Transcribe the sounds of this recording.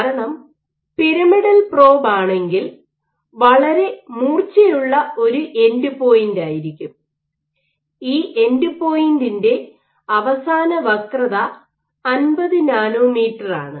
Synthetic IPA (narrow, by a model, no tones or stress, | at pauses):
kaɾɐɳɐm | piɾɐmiɽɐlpro̞ːbaːɳe̞ŋɡil | ʋɐɭɐɾe̞muːrt͡ɕːijuɭːɐo̞ɾuʔe̞ndupo̞ːjindaːjiɾikʲːum | iːʔe̞ndupo̞ːjindinde̞ | ɐʋɐsaːnɐʋɐkrɐðɐː | nbɐðɨnaːnoːmiːʈːɐra̰ːɳɨ